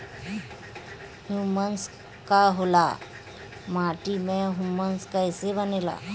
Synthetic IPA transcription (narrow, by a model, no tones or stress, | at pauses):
hjuməns | kaɦola̰ | maʈimẽɦumənskəjsebənela̰